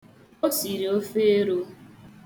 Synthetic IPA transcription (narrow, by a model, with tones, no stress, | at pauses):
o˦si˨ɾi˨o˦fe˦e˦ɾo˦